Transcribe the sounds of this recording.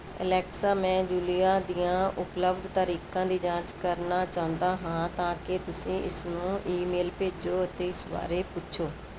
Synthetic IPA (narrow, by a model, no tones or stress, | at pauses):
ə̰lɛːksaːmɛ̃ːd͡ʒuːlijaːd̪ijãːʔʊpləbd̪t̪əɾiːkãːd̪iːd͡ʒãːt͡ʃkəɾnaːt͡ʃãːnd̪aːɦãːt̪ãːkɪt̪ʊsĩːʔɪsnũːʔiːmeːlpeːd͡ʒoːət̪eːɪsba̰ːɾeːpʊtːʃʰoː